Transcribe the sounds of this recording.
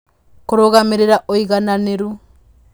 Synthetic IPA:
koɾoɣameɾeɾaʔoiɣananeɾu

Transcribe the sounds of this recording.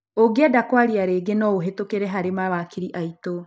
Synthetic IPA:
oɡeadakwaɾiaɾeɡenɔoɦetokeɾɛɦaɾemawakiɾiʔaito

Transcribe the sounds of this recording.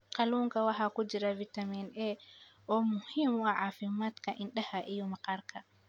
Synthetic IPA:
kaluŋkawaɦakud͡ʒiɾavitaminʔɛʔɔmuhimaʕafimatkaʔinɗahaʔijɔmakaɾkʰa

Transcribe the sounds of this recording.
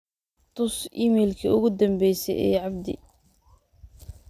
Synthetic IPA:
t̪ʰʊsimɛːlkʰɐʊɣʊd̪ɐmbɛjsɛ̰jʔɛ̰ːʕɑb̚d̪ɪ̰

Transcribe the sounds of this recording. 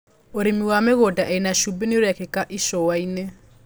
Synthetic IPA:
oɾimiwameɣodaʔɛinaʃubenioɾɛkɛkaʔiʃɔwaine

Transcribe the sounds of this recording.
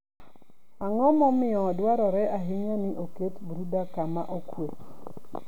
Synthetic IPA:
aŋɔmɔmɪɔdwaɾɔɾɛʔaɦiŋanɪʔoketbɾudakama̰ʔokwe

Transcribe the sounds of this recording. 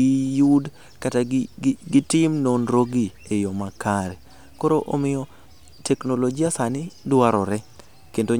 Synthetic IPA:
ijud | kataɡɡɪtɪmnonɾoɡi | ejɔmakaɾɛ | koɾoʔomɪjɔ | tʰɛknolod͡ʒiasanɪdwaɾɔɾɛ | kendo

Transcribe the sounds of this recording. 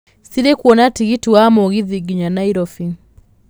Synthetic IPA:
siɾɛkuɔnatiɣituwamɔɣiðiɡiɲanaiɾɔfi

